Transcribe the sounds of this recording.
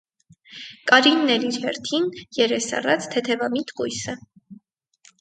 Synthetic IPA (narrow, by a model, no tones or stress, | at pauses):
kʼɑɾinːɛliɾhɛɾt̪ʰinjɛɾɛsɑ̰rɑt͡sʰt̪ʰɛt̪ʰɛvɑmit̪kujsə